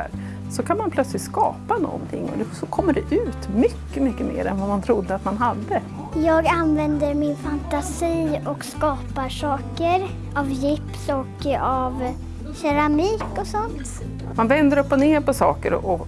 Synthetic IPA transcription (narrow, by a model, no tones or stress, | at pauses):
ɾ | sɔkʰanmanpʰlœt̪slɪt̪skɑ̰ːpanɔ̰nt̪ʰɪ̰ŋːɔ̰d̪ɛsɔkʰɔmːəɖɛʔʉ̟ːt̪mʏkːəmʏkːəmḛːɾɛ̰nvamant̪ʰɾʊd̪ːəat̪manɦad̪ːə | jɑːɡanvɛnd̪əɾmɪnfant̪asiːɔkskɑːpaɾʂɑːkəɾ | avjɪpsɔkav | ɕɛɾamiːkɔsɔnt̪ | manvɛnd̪əɾɵpːɔneːɾpɔsɑ̰ːkəɾɔ̰ʔɔ